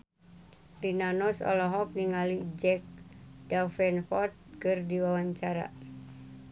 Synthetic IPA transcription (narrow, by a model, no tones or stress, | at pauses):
rinanɔsɔ̰lɔɦɔp̚niŋalid͡ʒɛk̚dafɛnfɔt̪̚kɨrdiwawaɲt͡ʃaɾa̰